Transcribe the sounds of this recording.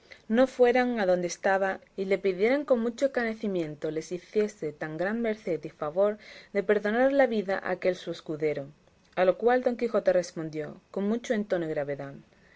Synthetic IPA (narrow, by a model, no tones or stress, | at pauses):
no̞fwe̞ɾaŋaðo̞nd̪est̪aβa | ile̞piðje̞ɾeŋko̞ŋmut͡ʃoekane̞θimjẽ̞nt̪o̞le̞siθje̞se̞t̪aŋɡɾanme̞ɾθe̞t̪ifaβ̞o̞ɾðe̞pe̞ɾðo̞naɾlaβiðaʔa̰ke̞lsue̞skuðe̞ɾo | alo̞kwald̪o̞ŋkixo̞t̪ere̞spo̞nd̪joko̞ŋmut͡ʃoe̞nt̪o̞noiɣɾaβe̞ðað